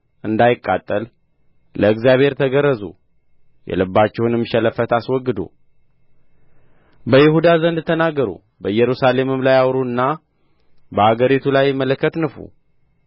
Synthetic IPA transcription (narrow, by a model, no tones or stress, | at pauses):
ʔɨnd̪ajɪkʼːa̰t̪ʼːəl | lʔəɨkzijaβhe̞ɾt̪ʰəɡəɾːəzṵ | jɛ̰lɨbːat͡ʃːɛhunɨmʃɛləfət̪aswɔɡːɨd̪ṵ | bəjɪhud̪azənd̪t̪ʰənaɡəɾṵ | bəjɛɾusale̞mɨmlajawɾuɨnːa | bəhaɡəɾit̪ʰulajːmːələkʰːət̪nɨfṵ